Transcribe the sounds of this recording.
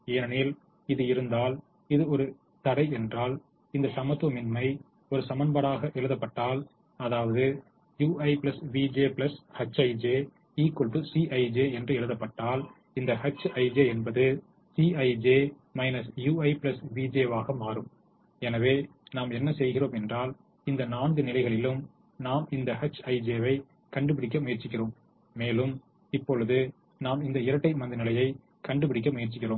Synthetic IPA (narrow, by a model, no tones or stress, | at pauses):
eːɐnɪl | ɪðɯɪɾɯnd̪aːl | ɪðɯɔɾɯ | t̪ɐɽɐɪɛndraːl | ɪnd̪ɐsɐmɐt̪ːɐmɪnmɐɪ | ɔɾɯsɐmɐnbɐɽaːɣɐʔɛɻɯðɐpːɐʈːaːl | ɐðaːʋɐðɯ | juːʔɐɪpɪlɐsʋiːd͡ʒeːpɪlɐshɐt͡ʃːɐɪd͡ʒeː | iːkɔlpɯsiːʔɐɪd͡ʒeːɛndrɯɛɻɯðɐpːɐʈːaːl | ɪnd̪ɐhɐt͡ʃːɐɪd͡ʒeːɛnbɐðɯ | siɐɪd͡ʒeː | mɐɪnɐsjuːɐɪpɪlɐsʋid͡ʒeːʋaːɣɐmaːɾɯm | ɛnɐʋeː | naːmɛnːɐsɛjɣɪroːmɛndraːl | ɪnd̪ɐnaːnɡɯnɪlɐɪɣɐɭɪlɯm | naːmɪnd̪ɐhɐt͡ʃːɐɪd͡ʒeːʋɐɪ | kɐɳɖɯpɪɽɪk̬ːɐmʊjɐɾt͡ʃːɪkːɪroːmː | eːlɯm | ɪpːɔɭɯðɯ | naːmɪnd̪ɐɪɾɐʈːɐɪmɐnd̪ɯnɪlɐjɐɪ | kɐɳɖɯp̬ɪɽɪk̬ːɐmʊjɐɾt͡ʃɪkːɪroːm